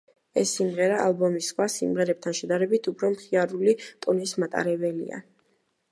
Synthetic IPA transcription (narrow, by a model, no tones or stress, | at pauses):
ɛsːimʁɛɾaːlˠbɔmisχwasḭmʁɛɾɛp̚t̪ʰanʃɛd̪aɾɛbit̪ʰupʰɾɔmχiaɾulit̪ʼunismat̪ʼa̰ɾɛbɛlḭa̰